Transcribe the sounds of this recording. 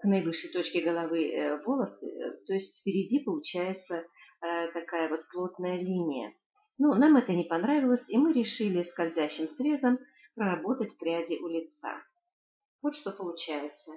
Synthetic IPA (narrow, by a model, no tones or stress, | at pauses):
knɐjvɨʂːəjt̪o̞t͡ɕkʲɪɡəlˠɐvɨvo̞lˠəsɨ̰t̪o̞ɪsʲtʲfpʲɪɾʲɪdʲipəlˠʊt͡ɕæjɪt̪sə | t̪ɐkajəvo̞t̪̚plˠo̞t̪nəjəlʲinʲɪjə̰ | nunamɛt̪ənʲɪpɐnɾavʲɪlˠəsʲimɨɾʲɪʂɨlʲɪskɐlʲzʲæɕːɪmsɾʲe̞zəm | pɾəɾɐbo̞t̪ətʲpɾʲædʲɪʔʊlʲɪt̪sa̰ | vo̞t̪ʂt̪o̞pəlˠʊt͡ɕæjɪt̪sə